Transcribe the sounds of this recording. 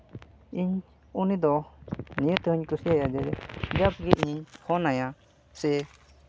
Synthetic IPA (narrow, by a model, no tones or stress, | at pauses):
iɲ | unid̪ɔnijət̪ɛhuɲkusiajad͡ʒɛɾɛd͡ʒap̚ɡɛʔiɲiɲhɔnaja | sɛ